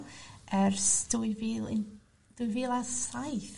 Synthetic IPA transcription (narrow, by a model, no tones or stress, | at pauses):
ɛrsd̥uiviːlˠɪ̰n | d̥uiviːlˠasajθ